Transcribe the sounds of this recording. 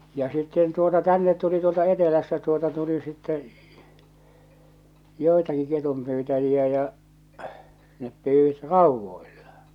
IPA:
jɑ sitːen tuotɑ tænːet tuli tuoltɑ etelæstæ tuotɑ tuli sitːɛ joˑi̞tɑki ketumpyːtæjiæ jɑ nep pyːwit rɑˑuʋːoilːɑ̥

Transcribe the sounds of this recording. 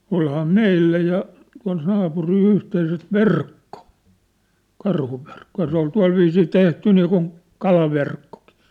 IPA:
olhɑː meilːæ jɑ tuɑ̝l nɑːpuril yhteiset ʋerkːo kɑrhuʋerkːo jɑ se ol tuɑ̝lʋiːsiː tehty niːkun kɑlɑʋerkːoki̥

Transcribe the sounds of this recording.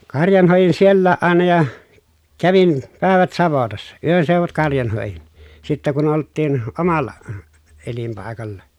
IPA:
kɑrjɑn hoˑejin sielːæːʔ ʔɑˑenɑ jɑ kæʋin pæˑeʋæt sɑʋotɑsːɑ yønseuʋut kɑrjɑn hoˑejin sitːæ kun oltːiːn omɑlˑɑ elimpɑˑi̯kɑlːɑ

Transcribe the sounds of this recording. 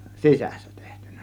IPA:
sisæ̥sːæ̥ te̥htẙn̥ˑæ̥

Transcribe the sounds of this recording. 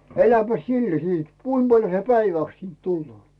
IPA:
elæpæs silːæ siːt kuim b̥ɑljo se pæiʋæˑks siːnt tulːoː

